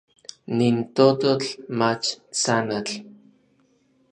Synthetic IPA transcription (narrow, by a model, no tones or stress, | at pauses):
nint̪ot̪ot͡ɬmat͡ʃt͡sanat͡ɬ